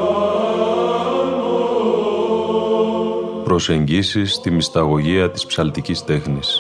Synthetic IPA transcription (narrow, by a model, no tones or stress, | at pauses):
pɾo̞se̞ɲɟisist̪imist̪ɐɣo̞ʝiɐt̪i̥spsɐlt̪icist̪e̞xnis